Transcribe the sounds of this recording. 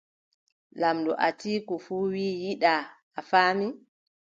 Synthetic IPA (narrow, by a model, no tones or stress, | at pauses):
lamdɔ̰ʔa̰tiːkɔfuːwiːjiɗaː | faːmi